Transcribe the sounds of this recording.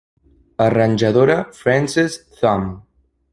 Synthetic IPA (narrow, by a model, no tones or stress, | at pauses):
ərənʲʒəðoɾəfɾɛnsisθɔm